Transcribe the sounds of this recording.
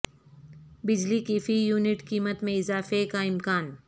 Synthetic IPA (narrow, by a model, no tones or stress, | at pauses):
bɪd͡ʒlikifijuːnɪʈkiːmət̪mẽɪzaːfekaɪmkaːn